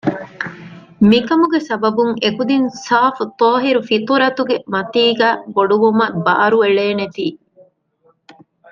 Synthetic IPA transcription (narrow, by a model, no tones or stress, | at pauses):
mikɐmuɡesɐbɐbuŋekud̪insaːfut̪ɔːɦiɾufit̪ɾɐt̪uɡemɐt̪iːɡæːboɖuʋumɐbɐʔɐɾueɭeːnet̪iː